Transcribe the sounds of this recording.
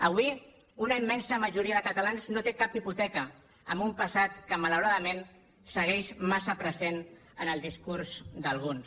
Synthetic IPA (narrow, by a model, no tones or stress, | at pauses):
əβ̞wi | unəimːɛnsəməʒuɾiəðəkət̪alanznot̪ekapiput̪ɛkə | əmbumpəsat̪kəmaləwɾaðəmen | səɣ̞ɛʃmasəpɾəzen | ənəlˠd̪iskuɾzd̪əlˠɣ̞uns